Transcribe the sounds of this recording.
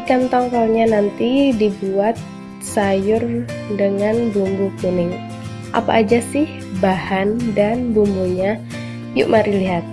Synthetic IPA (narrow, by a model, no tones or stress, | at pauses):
kant̪ɔŋkɔlɲanant̪idibuat̪̚ | sajʊrdəŋanbumbukunɪŋ | ʔa̰pa̰ʔːd͡ʒasɪh | bahandanbumbuɲa | jʊ̰ʔmaɾiliɦat̪̚